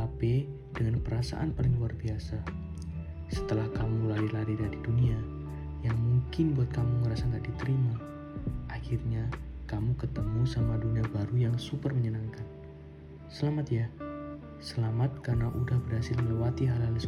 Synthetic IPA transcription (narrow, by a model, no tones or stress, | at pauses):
apɛ | dəŋanpəɾasa̰ʔa̰npalɪŋluarbiasa | sə̥t̪əlahkamulaɾilaɾidadidunia | jaŋmuŋkɪnbuat̪̚kamuŋəɾasaŋɡaʔdit̪əɾima | ʔaxɪrɲakamukət̪əmusamaduniabaɾujaŋsupərməɲənaŋkan | səlamat̪ja | səlamat̪̚karnaʔudahbərhasɪlməlewat̪iɦalhals